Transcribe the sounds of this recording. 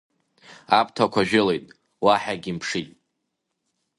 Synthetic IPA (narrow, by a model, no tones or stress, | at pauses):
apʰʼtʰakʷʰaʒᶣɪlejtʼ | waħaɡʲimpʰʂitʼ